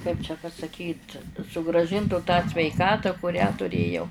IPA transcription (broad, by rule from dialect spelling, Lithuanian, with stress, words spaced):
kɐɪp t͡ʃʲɛ pɐsɐˈkʲiːt sʊɡrɑːˈʒʲɪntuː tɑː sʲʋʲɛɪˈkɑːtɑː kʊˈrʲæː tʊˈrʲeːjɛʊ